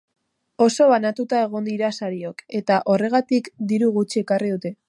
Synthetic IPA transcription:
o̞so̞βanat̪ut̪ae̞ɣ̞o̞nd̪iɾasaɾio̞ke̞t̪aʔo̞re̞ɣ̞at̪ikd̪iɾuɣut͡ʃie̞kariðut̪e̞

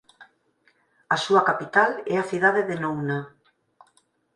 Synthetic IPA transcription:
asuakapit̪alɛaθiðaðeðenowna

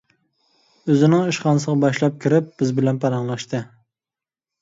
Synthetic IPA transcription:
øzɪnɪŋiʃqɑnsəʁɑbɑʃlˠɑp̚kʲʰiɾɪp̚b̥ɪzbɪlɛnpʰɑɾɑŋlˠɑʃt̪ɨ

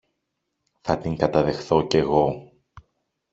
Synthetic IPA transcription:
θɐt̪iŋkɐt̪ɐðe̞xθo̞ce̞ɣo̞

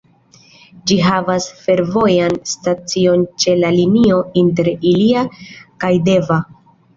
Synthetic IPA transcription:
d͡ʒiɦavasfe̞ɾvo̞janstat͡sio̞nt͡ʃe̞lalinio̞inte̞ɾiliakajde̞va

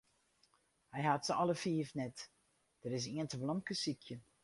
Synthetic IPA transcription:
hɛjhatsəɔləfiːfnɛt | d̥əɾɪs̬iəntəblɔmkəsikʰjə

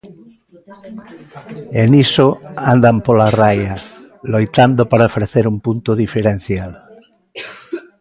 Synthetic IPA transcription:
enisoand̪ampolaraja | lojt̪and̪opaɾaofɾeθeɾumpunt̪oðifeɾen̟θjal

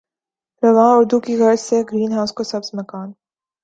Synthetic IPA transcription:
ɾɐʋãːʊɾd̪ukiɣɐɾseɡɾiːnɦaʊskosɐbzmɐkaːn

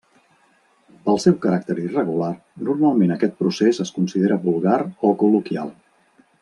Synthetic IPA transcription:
pəlˠsɛwkəɾak̚t̪əɾirəɣular | nuɾmalˠmenəkɛt̪̚pɾusezəskunsiðeɾəβulˠɣaɾɔkulukja̰lˠ

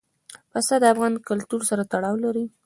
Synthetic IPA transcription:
pasad̪əafɣɑnkʊlt̪uɾsaɾat̪aɽɑwlaɾi

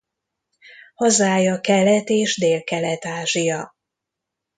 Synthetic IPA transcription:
hɒzaːjɒkɛlɛt̪eːʒd̪eːlkɛlɛt̪aːʒijɒ

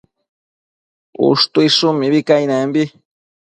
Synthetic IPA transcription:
ṵʂt̪uiʂʊmiβikajnambi

